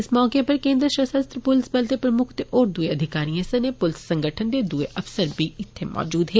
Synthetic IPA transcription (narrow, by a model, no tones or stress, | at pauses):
ɪsmɔːkepəɾkẽːnd̪ɾəʃəsəst̪ɾpʊlɪsbɛlt̪eːpɾəmʊkʰt̪eʔoːɾd̪ueəd̪ʱɪkaːɾijẽsɐnepʊlɪsːə̃ŋɡəʈʰənd̪eːd̪ueʔɐfsəɾbiːɪt̪ʰːemʔɔ̰ːd͡ʒuːd̪ɦeː